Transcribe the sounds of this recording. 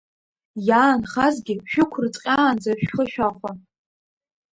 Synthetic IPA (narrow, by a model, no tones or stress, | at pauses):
jaːnχazɡʲɪʃᶣʊkʷʰʊrt͡sʼqʲʼaːnd͡zaʃᶣχəʃᶣaχʷa